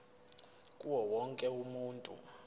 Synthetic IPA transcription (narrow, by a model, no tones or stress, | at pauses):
kʼuwɔwɔŋkʼɛumuːntʼṵ